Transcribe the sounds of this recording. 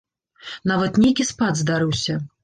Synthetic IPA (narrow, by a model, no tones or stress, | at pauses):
navɐt̪nʲejkʲispad̪zd̪aɾɨwsʲɐ